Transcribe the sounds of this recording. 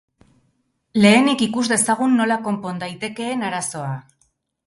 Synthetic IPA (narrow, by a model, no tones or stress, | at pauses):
le̞ːnikikuzd̪e̞saɣ̞unːo̞lako̞mpo̞nd̪ajt̪e̞ke̞ːnaɾaso̞a